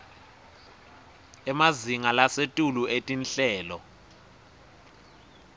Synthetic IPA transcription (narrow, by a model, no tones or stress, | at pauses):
ɛmaziŋalasetʼuluʔetʼinɬɛːlɔ